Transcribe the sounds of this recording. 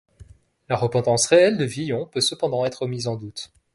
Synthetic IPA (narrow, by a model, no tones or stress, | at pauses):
laʁəpɑ̃t̪ɑ̃sʁeɛld̪əvijɔ̃pøsəpɑ̃d̪ɑ̃ɛt̪χəmizɑ̃d̪ut̪